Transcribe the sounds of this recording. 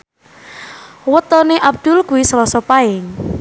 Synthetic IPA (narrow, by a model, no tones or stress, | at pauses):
wət̪ɔneʔab̚d̪̥ulkuwisəlɔsɔpaɪŋ